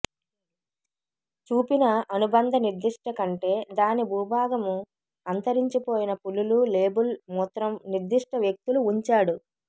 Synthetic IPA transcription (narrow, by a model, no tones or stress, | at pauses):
t͡ʃuːpinɐɐnubɐnd̪ʱɐniɾd̪iʂʈɐkɐɳʈe̞ːd̪aːnibʱuːbʱaːɡɐmu | ɐnt̪ɐɾiɲt͡ʃipoːjinɐpululule̞ːbulmɔt̪ɾɐmniɾd̪iʂʈɐʋjek̚t̪uluːɲt͡ʃaːɽu